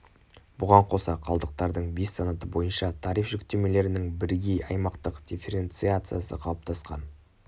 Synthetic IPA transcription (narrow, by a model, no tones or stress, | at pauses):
bʊʁɑɴqʰo̞sɑqʰɑlˠd̪əq̚t̪ɑɾd̪əɴbesːɑnɑt̪əbo̞jənʃɑt̪ʰɑɾifʒ̥ʏkt̪e̞me̞le̞ɾɪnɪŋbɪɾɡʲe̞jɑjmɑqt̪əqd̥̪ʲifʲe̞ɾe̞nt̪sɨat̪sɨjasə̰qʰɑlˠəp̚t̪ʰɑsqɑ̰n